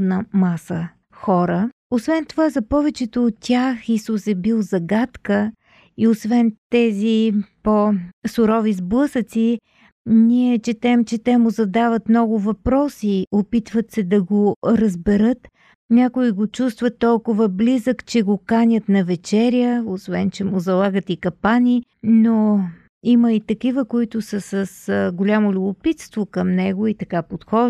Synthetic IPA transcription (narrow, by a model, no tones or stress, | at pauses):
nɐmasə | xɔɾə | osvɛnt̪ovazɐpɔvɛt͡ʃɛt̪oːt̪ːʲjaxisusɛbilˠzɐɡat̪kə | iosvɛnt̪ɛziposʊɾɔvizblˠɤsət̪si | niɛt͡ʃɛt̪ɛmt͡ʃɛt̪ɛmʊzɐd̪avɐt̪mnɔɡʊvɐpɾɔsiopit̪vət̪sɛd̪ɐɡoɾəzbɛɾɤt̪ | nʲakʊiɡot͡ʃust̪vət̪ːɔlˠkʊvəblizəkt͡ʃɛɡokanʲət̪nɐvɛt͡ʃɛɾjəosvɛnt͡ʃɛmʊzɐlˠaɡət̪ikɐpanʲino | iməit̪ɐkivəkoit̪ʊsəsəsɡolʲamolʲʊbʊpit̪st̪vokəmnɛɡʊit̪ɐkapot̪xɔ